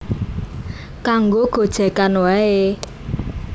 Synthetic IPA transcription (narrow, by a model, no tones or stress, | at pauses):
kaŋɡoɡ̥o̤d̥ʒ̥ɛ̤kanwae